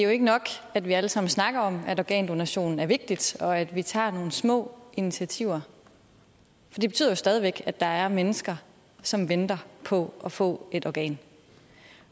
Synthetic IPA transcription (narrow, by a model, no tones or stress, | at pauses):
d̥e̝jo̝e̝ɡ̥ənɒ̽ɡ̥æd̥ʋiæləsɑ̈m̰n̩snɑ̈ɡ̥ɐɒ̽mæɾɒɡɛ̰ːnd̥o̝næɕo̝̰ːnn̩æɐʋe̝ɡ̥̚d̥id̥ɒ̽æd̥ʋit͡sʰɑ̰̈ːno̝ːn̩smɔ̰̽ːinit͡sʰiæt͡sʰiʊ̰ɐ | fɒ̽d̥ib̥e̝t͡sʰyð̰ˠjo̝sd̥ɛːð̞ˠiʋeɡ̥æd̥ɑ̈æɐmenəsɡ̥ɐ | sɒ̽mʋend̥ɐpʰɒ̽ʔɒ̽fɔ̰̽ːe̝d̥ɒɡ̥ɛ̰ːn